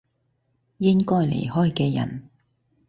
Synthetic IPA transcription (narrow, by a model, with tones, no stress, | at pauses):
jɪ˥ŋkɔː˥jlḛ˨˩jhɔː˥jkɛː˧jɐ̰˨˩n